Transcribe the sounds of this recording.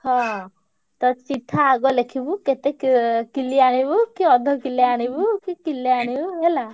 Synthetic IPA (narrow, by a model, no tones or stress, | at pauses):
hɔ̃ | t̪ɔt͡ʃit̪ʰːaːɡɔlekʰibuket̪ekkiliaɽ̃ibukiɔd̪ʱɔkileaɽ̃ibukikilːiaɽ̃ibuela